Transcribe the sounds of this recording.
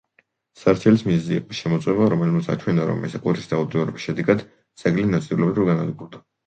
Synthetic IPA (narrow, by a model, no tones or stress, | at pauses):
saɾt͡ʃʰɛlismizziːqʼɔʃɛmɔt̪sʼwɛvaɾɔmɛlmat̪sʰa̰t͡ʃʰwɛnaɾɔ̰mɛ̰sɛqʼuɾisd̪aud̪ɔɾɛbisʃɛd̪ɛɡad̪ | d̪sʰʼɛɡlinat̪sʼilɔbiɾɔɾɡanad̪ɡuɾd̪a